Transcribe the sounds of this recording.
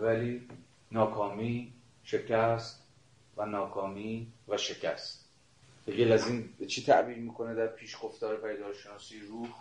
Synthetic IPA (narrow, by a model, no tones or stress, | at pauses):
væliː | nɒːkʰɒːmiː | ʃe̞cʰæst̪ | vænɒːkʰɒːmiːvæʃe̞cʰæ̰st̪ | b̥eɡelæziːnt͡ʃʰit̪ʰæ̰ʔbiːɾmiːkʰo̞ned̪æɾpʰiːʃɡo̞ft̪ɒːɾepʰæjd̪ɒːʃe̞nɒːsiːɾuːh